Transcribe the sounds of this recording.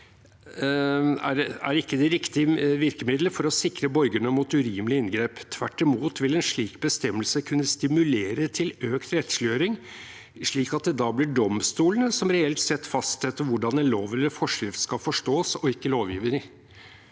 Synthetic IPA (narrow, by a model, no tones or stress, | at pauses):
æɾæ̰ɾɪkːəd̪ɛɾɪkt̪ɪʋɪɾkəmɪd̪ləfɔɾɔsɪkɾəbɔɾɡəɳəmuːt̪ʉɾiːməlɪɪnɡɾeːpt̪ʰʋæʈːɪmuːt̪ʋɪlɛnʂɭiːkbəst̪ɛmːəlsəkʰʉnːəst̪ɪmʉleːɾət̪ʰɪløːkt̪ɾɛt̪ʂlɪøːɾɪŋ | ʂɭiːkɑt̪̚d̪ɛd̪ɑːblɪɖɔmst̪uːlənəsɔmɾɛɛlt̪sɛt̪ːfɑst̪sɛt̪ːəʋʊɖɑnɛnloːʋɛlːəfɔʂɪft̪skɑfɔʂʈoːsɔɪkːəloːʋjḭːʋəɾɪ